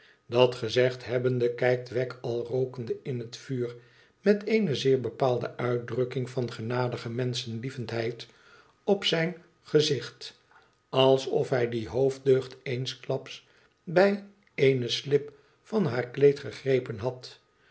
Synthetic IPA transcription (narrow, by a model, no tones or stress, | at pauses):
dɑtχəzɛχtɦɛbəndəkɛjk̚tʋɛkʰɑlˠrowkəndəɪnɦətfyːr | mɛteɪnəzɪːɹbəpaːlˠdə̰ʔœɥ̚drɵkɪŋfɑnχənaːdəχəmɛnsənlivəntɦɛjt | ɔpsɛjn | χəzɪχt | ɑlˠsɔfɦɛjdiɦowvdøɥχtejnsklɑps | bɛj | eɪnəslɪp | fɑnɦaːɹklejtχəχrejpənɦɑt